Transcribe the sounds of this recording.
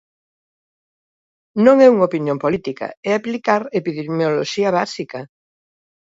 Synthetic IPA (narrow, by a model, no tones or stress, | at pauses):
nõŋɛuŋopinjõmpolit̪ika̰ɛaplikaɾepiðemjoloʃiɐβasikɐ